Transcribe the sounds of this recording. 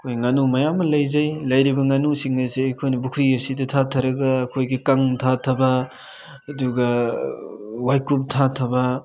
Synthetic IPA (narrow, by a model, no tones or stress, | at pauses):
kʰojŋanumɐjamːɐlɐjzɐjlɐjɾibɐŋanusiŋɐzeːjkʰojnɐbukʰɾiɐsidɐtʰatʰɐɾɐɡɐːkʰojɡikaŋtʰatʰɐbɐ | ɐduɡɐ | wajkup̚tʰatʰɐbɐ